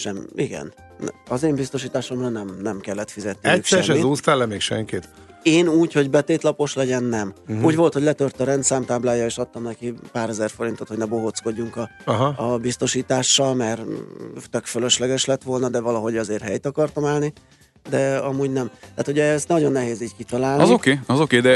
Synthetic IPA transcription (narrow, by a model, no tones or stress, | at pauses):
ʃɛmiɡɛ̰n | ɒzeːmbist̪o̞ʃ̬iːt̪aːʃo̞mrɒnɛmnɛmkɛlːɛt̪fizɛt̪niɛyʃsɛʃɛːizuːst̪alɛmeːkʃɛ̰ŋkit̪ | eːnuːcho̞ɟbɛt̪eːt̪lɒpo̞ʃlɛɟɛnːɛmuːɟvo̞lt̪hoɟlɛt̪ørt̪ɒɾɛnt̪saːmt̪aːblaːjːɒeːʃɒt̪ːɒmnɛkipaːɾɛzɛrfo̞ɾint̪o̞t̪ho̞ɟnɛbo̞ɦot̪sko̞ɟːuŋkɒɒɦːbist̪o̞ʃiːt̪aːʃːɒlmɛrt̪økfølø̞ʃlɛɡɛʃlɛt̪ʋo̞lnɒd̪ɛvɒlɒɦo̞ɟɒzeːrɦɛjt̪ɒkɒrt̪ɒmaːlni | d̪ɛɒmuːɟnɛmt̪aːt̪huɟɛɛst̪nɒɟo̞nːɛɦeːziːckit̪ɒlaːlnizokeːɒzo̞keːd̪ɛ